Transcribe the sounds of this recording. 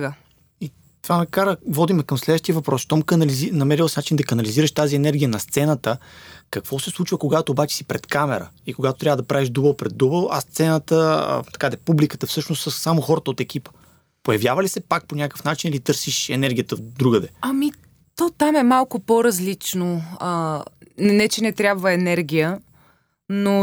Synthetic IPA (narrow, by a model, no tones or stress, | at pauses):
ɡə | i | t̪vanɐkaɾəvɔd̪imɛkɐmslɛd̪vəʃt̪ijəvɐpɾɔsʃt̪ɔmkɐnɐlizinɐmɛɾilˠsnat͡ʃind̪ɐkɐnɐliziɾəʃt̪aziɛnɛɾɡʲijənɐst̪sɛnət̪əkəkvɔsɛslˠut͡ʃvəkoɡat̪oːbat͡ʃɛ̥si̥pɾɛt̪kamɛɾə̰ | ikoɡat̪ot̪ɾʲavəd̪ɐpɾaviʒd̪ubəlˠpɾɛd̪ːubəlˠɐ̰st̪sɛnət̪ə̰t̪ɐ̥kad̪ɛpublikət̪əfsɤʃnost̪səsːamoxɔɾət̪əot̪ɛk̟ʲipə̥ | pojɐvjavəlisɛpak̚ponʲakəkəfnat͡ʃinilit̪ɤɾsiʃɛnɛɾɡʲijət̪əvd̪ɾuɡəd̪ɛɐmi | t̪ot̪amɛmalˠkʊpoɾɐzlit͡ʃnoə | nɛt͡ʃɛnɛt̪ɾʲabvəɛnɛɾɡʲijə | no